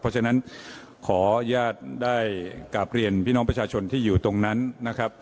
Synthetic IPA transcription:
pʰːɔ˦˥t͡ɕʰa˧na˦˥n | kʰɔː˩˦jaː˥˩t̪̚daː˥˩jkaː˨˩p̚ɾi˧ənpʰiː˥˩nɔ˦˥ŋpɾa˧t͡ɕʰaː˧t͡ɕʰo˧nt̪ʰiː˥˩juː˨˩t̪o˧ŋna˦˥nːa˦˥kʰɾa˦˥p̚

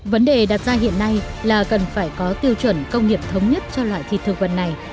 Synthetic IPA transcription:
və˨˦nɗe˨˩ɗaː˨˩t̚zaː˧ɦḭ˧˨ənːa˧jlaː˨˩kə˨˩nfaː˧˩jkɔ˨˦t̪i˧əwt͡ɕwə˧˩nkə˧wŋ͡mŋi˨˩əp̚t̪ʰə˨˦wŋ͡mɲə˦˥t̚t͡ɕɔ˧lwa̰ː˧˨jt̪ʰḭ˧˨t̪ɨ˨˩əŋvə˨˩nːa˨˩j

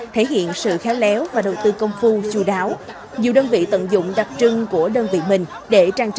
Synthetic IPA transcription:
t̪ʰe˧˩˦ɦḭ˧˨ənsɨ̰˧˨xɛ˨˦wlɛ˨˦wvaː˨˩ɗə˨˩wt̪ɨ˧kə˧wŋ͡mfu˧t͡ɕu˧˩ɗaː˨˦w | ɲi˨˩ɗəː˧nvḭ˧˨t̪ə̰˧˨nzʊ̰˧˨ŋ͡mɗa˨˩p̚t͡ɕɨ˧ŋku˧˩əɗəː˧nvḭ˧˨mï˨˩ŋ̟ | ɗe˧˩t͡ɕaː˧ŋt͡ɕ

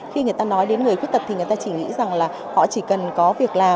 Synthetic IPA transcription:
xi˧ŋɨ˨˩əjt̪aː˧nɔ˨˦jɗe˨˦nŋɨ˨˩əjkwt̚t̪ə˨˩t̪̚ʰi˨˩ŋ˨˩jt̪aː˧t͡ɕi˧˩ŋḭ˧˥za˨˩ŋlaː˨˩ | hɔ̰˧˨t͡ɕi˧˩kə˨˩nkɔ˨˦vi˨˩ək̚laː˨˩

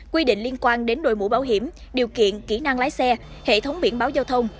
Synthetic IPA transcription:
kwi˧ɗḭ˧˨ŋ̟li˧ənkwaː˧nɗe˨˦nɗo̰˧˨jmṵ˧˥˦ɓaː˧˦wɦi˧˩əm | ɗi˨˩əwkḭ˧˨ənki˧˩na˧ŋlaː˨˦jsɛ˧ | hḛ˧˨t̪ʰə˨˦wŋ͡mɓi˧˩ənɓaː˨˦wzaː˧wt̪ʰə˧wŋ͡m

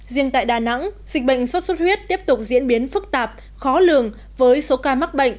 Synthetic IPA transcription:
zḭ˧˨əŋt̪a̰ː˧˨jɗaː˨˩na̰˧˥ŋzï˨˩k̟̚ɓə̰˧˨jŋ̟swə˦˥t̚sə˦˥t̚hwi˦˥ət̚t̪i˦˥əp̚t̪ʊ˨˩k͡p̚zḭ˧˥ənɓi˨˦ənfɨ˦˥k̚t̪aː˨˩p̚ | xɔ˨˦lɨ˨˩əŋ | vəː˨˦jso˨˦kaː˧ma˦˥k̚ɓə̰˧˨jŋ̟

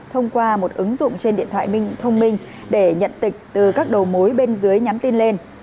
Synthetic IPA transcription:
t̪ʰə˧wŋ͡mkwaː˧mo˨˩t̚ʔɨ˨˦ŋzʊ̰˧˨ŋ͡mt͡ɕe˧nɗḭ˧˨ənt̪ʰwa̰ː˧˨mï˧ŋ̟t̪ʰə˧wŋ͡mmï˧ŋ̟ | ɗe˧˩ɲə̰˧˨nt̪ï˨˩k̟̚t̪ɨ˨˩kaː˦˥k̚ɗə˨˩wmo˨˦jɓe˧nzɨ˨˦əjɲa˨˦mt̪i˧nle˧n

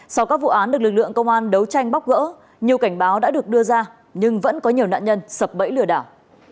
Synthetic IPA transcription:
sa˧wkaː˦˥k̚vṵ˧˨ʔaː˨˦nɗɨ˨˩k̚lɨ˨˩k̚lɨ̰˧˨əŋkə˧wŋ͡mʔaː˧nɗə˨˦wt͡ɕa˧jŋ̟ɓa˦˥k͡p̚ɣə̰ː˧˥ | ɲi˨˩əwka˧˩jŋ̟ɓaː˨˦wɗa̰ː˧˥ɗɨ˨˩ək̚ɗɨ˧əzaː˧ | ɲɨ˧ŋvə̰˧˥nkɔ˨˦ɲi˨˩əwna̰ː˧˨ɲə˧nsə˨˩p̚ɓə̰˧˥jlɨ˧˩əɗaː˧˩w

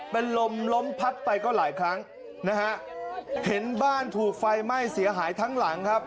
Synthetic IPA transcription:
pe˧nlo˧mlo˦˥mpʰa˦˥t̪̚pa˧jkɔː˥˩laː˩˦jkʰɾa˦˥ŋ | na˦˥kʰa˦˥ʔhe˩˦nbaː˥˩nt̪ʰuː˨˩k̚fa˧jma˥˩jsi˩˦ɐɦaː˩˦jt̪ʰaː˦˥ŋla˩˦ŋkʰa˦˥p̚

